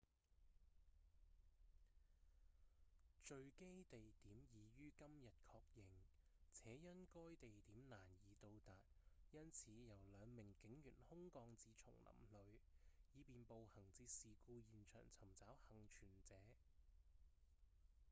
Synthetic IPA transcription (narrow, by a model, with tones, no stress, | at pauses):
t͡ʃɵ˧ɥke˥jt̪e˨jt̪iː˨˥mjiː˨˧jyː˥kɐ˥mjɐ˨t̚kʰɔː˧k̚jɪ˨ŋt͡sʰɛː˨˥jɐ˥nkɔː˥jt̪e˨jt̪iː˨˥mnaː˨˩njiː˨˧t̪o˧wt̪aː˨t̚jɐ˥nt͡sʰiː˨˥jɐ˨˩wlœː˨˧ŋmɪ˨˩ŋkɪ˨˥ŋjyː˨˩nhʊ˥ŋkɔː˧ŋt͡siː˨˧t͡sʰʊ̰˨˩ŋlɐ̰˨˩mlɵ˨˧ɥjiː˨˧piː˨npo˨˧whɐ˨˩ŋt͡siː˧t̚siː˨kuː˧jiː˨nt͡ʃʰœ̰ː˨˩ŋt͡sʰɐ˨˩mt͡saː˨˥whɐ˨˩ŋt͡ʃʰyː˨˩nt͡sɛː˨˥